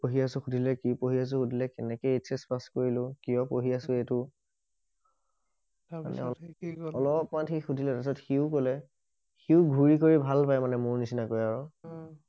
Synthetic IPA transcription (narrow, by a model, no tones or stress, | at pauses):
poɦiasʊ̃xudʱilɛkipoɦias̬ʊ̃xudʱilɛkɛnɛkɛetsɛspaskoɹilʊ̃kijɔpoɦiasʊetʊ | ma̰nɛ̰ɔɔlɔpmanxixudʱilɛtasɔtxiʊkolɛ | xiʊɡʱuɹik̬oɹibʱalpajmanɛmʊɹnisinakojaɹɔ